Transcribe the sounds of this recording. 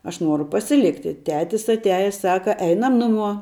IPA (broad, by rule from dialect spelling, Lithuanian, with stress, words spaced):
ɐʃ ˈnuɔrʊ pɐsʲɪˈlʲɪktʲɪ ˈtʲæːtʲɪs ɐtʲˈæːjɛs ˈsɑːkɐ ˈɛɪnɐm ˈnʊˌmuɔ